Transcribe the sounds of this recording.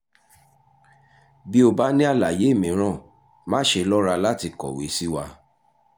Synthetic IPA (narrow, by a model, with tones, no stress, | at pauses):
bi˦o˧ba˦nĩ˦a˦˨la˨je˨˦˨mĩ˨˦ɾ̃ã˦˨ | mã˦ʃe˧lɔ˦ɾa˧la˦ti˧kɔ̰˨we˨˦si˦wa˧